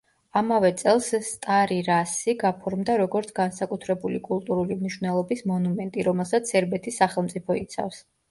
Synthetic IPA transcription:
amavɛt̪sʼɛlˠsst̪ʼaɾiɾasiɡapʰɔɾmd̪aɾɔɡɔɾt̪sʰɡansakʼut̪ʰɾɛbulikʼulˠt̪ʼuɾulimniʃvnɛlˠɔbismɔnumɛnt̪ʼiɾɔmɛlˠsat̪sʰɛɾbɛt̪ʰisːaχɛlˠmt̪sʼipʰɔit̪sʰa̰fs

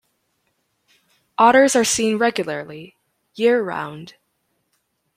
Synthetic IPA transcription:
ʔɔɾə˞zə˞sĩnɹɛɡjl̩ˠə˞lˠi | jɪɹəɹã̰ʊ̃nd̥

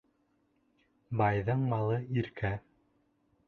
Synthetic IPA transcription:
bɑjðɤɴmɑlˠɤiɾkʰæ

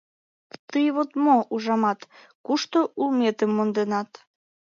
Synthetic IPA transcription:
t̪ɨjβot̪mouʒɑmɑt̪ | kuʃt̪oulmet̪əmːond̪enɑt̪

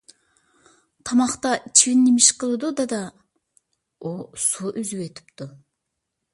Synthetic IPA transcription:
t̪ʰɑmɑχt̪ɑt͡ʃʰiwɪnːimɪʃqʰəlˠɨd̪ud̪ɑd̪ɑ | osuʔyzywet̪ʰɪ̥pt̪ʊ

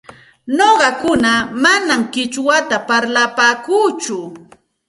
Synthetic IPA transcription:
noɢɑkʊnamanamkɪt͡ʃwat̪apaɾlapaːkuːt͡ʃʊ

